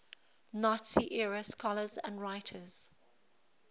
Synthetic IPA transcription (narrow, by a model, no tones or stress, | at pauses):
nɔtsiʔɛɹəskʰɔləzə̰̃ndɹaɪtʰəz̥